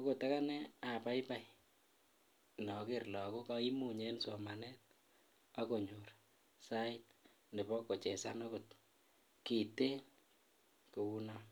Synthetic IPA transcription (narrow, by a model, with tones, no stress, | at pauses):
o˦ko˨ta˦ka˦nɛ˦a˨pa˦jpa˦j | nɔ˨kerlɔ˨ko˦kai˦mu˨ɲenso˨ma˨nɛ˦t̚ | ako˨ɲur | sa˦it | nde˨bɔ˦kːo˨t͡ʃɛ˨sa˦nɔko˨t | ki˨te˦ | ko˨u˦nɔ˦